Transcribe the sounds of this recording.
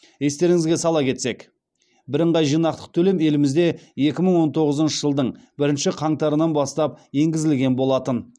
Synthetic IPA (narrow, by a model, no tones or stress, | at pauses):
je̞st̪e̞ɾɪŋɪzɡʲe̞sɑlˠɑkʲʰe̞t̪se̞k | bɪɾəɴʁɑjʒijnɑq̚t̪ə̥q̚t̪ʰɵle̞me̞lɪmɪzd̪e̞je̞kʲɪməɴwo̞nt̪ʰo̞ʁəzənʃəʒəlˠd̪əɴbɪɾɪnʃɪqʰɑɴt̪ɑɾənɑnbɑst̪ɑp̚je̞ŋɡʲɪzɪlɡʲe̞nbo̞lˠɑt̪ən